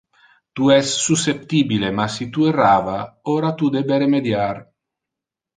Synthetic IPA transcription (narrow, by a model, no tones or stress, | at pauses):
t̪uɛsːusːep̚t̪iːbilemasit̪ueraːvaoːɾat̪ud̪ebeɾemed̪jar